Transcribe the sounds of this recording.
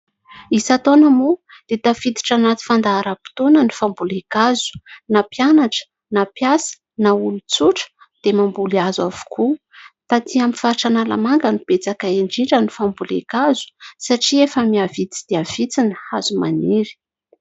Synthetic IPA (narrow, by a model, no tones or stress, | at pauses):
isat̪onəmu | d̪̥et̪afid̪i̥ʈ͡ʂanat̪i̥fand̪aaɾapi̥t̪onənifambulekazu̥napianaʈ͡ʂə̥ | napjasə̥ | naulut͡suʈ͡ʂə̥ | d̪̥emambuliazwavu̥kʰu | t̪at̪iaminfaɾiʈ͡ʂanala̰maŋɡənipet͡sakaeɳɖ͡ʐiʈ͡ʂənifambulekazu̥saʈ͡ʂiefəmiavit͡si̥d̪̥eav̥it͡sinəhazuma̰niɾi̥